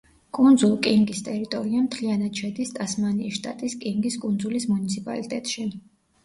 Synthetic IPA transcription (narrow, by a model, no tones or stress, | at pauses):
kʼund̪zulˠkʼiŋɡist̪ʼɛɾit̪ʼɔɾiamt̪ʰlianad̪̚t͡ʃʰɛd̪ist̪ʼasmaniːʃt̪ʼa̰t̪ʼiskʼiŋɡiskʼund̪zulismunit̪sʰipʼa̰lit̪ʼɛt̪ʼʃi